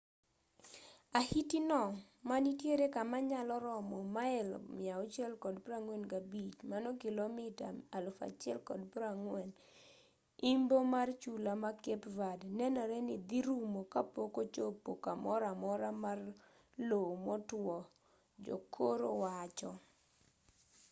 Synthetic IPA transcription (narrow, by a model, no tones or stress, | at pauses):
ahitinɔ | manitjeɾekamaɲalɔɾɔmɔmaɛlmɪaɔt͡ʃjɛlkɔdpɾaŋwɛnkabit͡ʃmanɔkilomɪtaalfa̰t͡ʃɪɛ̰lkɔ̰dpɾaŋwɛn | imbomart͡ʃulamakepvadnɛnɔɾɛnid̪iɾumokapokot͡ʃopːokamɔɾamɔɾamar | lomɔtwɔ | d͡ʒo̰kʰoɾo̰wat͡ʃɔ